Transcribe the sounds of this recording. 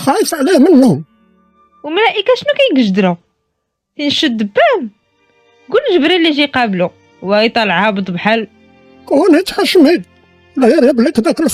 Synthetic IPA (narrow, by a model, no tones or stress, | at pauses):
xɑjəsˤʕlihmənːʊm | wmlæʔikæʃnukæjɡəʒd̪ɾu | tinʃəd̪ːəbːæm | ɡulʒəbɾilːiʒiqɑblu | wæjt̪ˤɑləʕhæbt̪ˤbħal | kæwænhæt̪xæʃmid̪ | læjæɾˤjæblækd̪ækəlf